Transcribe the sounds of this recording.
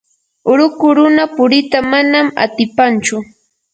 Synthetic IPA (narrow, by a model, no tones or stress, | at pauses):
ʊɾʊkʊɾʊnapʊɾɪt̪amanama̰t̪ɪpant͡ʃʊ